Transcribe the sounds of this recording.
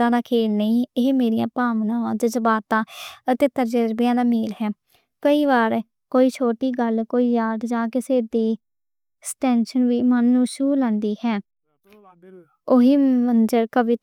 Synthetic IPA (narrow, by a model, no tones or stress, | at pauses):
ãːd̪ãːkʰeːlnəĩːeɦmeːɾijãːpaːʋnãːãːd͡ʒd͡ʒəbaːt̪ãːət̪eːt̪əɾd͡ʒəɾbjãːd̪aːmeːlɦɛː | kəiːʋaːɾ | koːiːt͡ʃʰoːʈiːɡəlkoːiːjaːd̪d͡ʒãːkɪseːd̪iː | sʈɛːnʃənʋiːmənːũːʃuːlə̃nd̪iːhɛː | ʊɦiːmənd͡ʒəɾkəʋɪ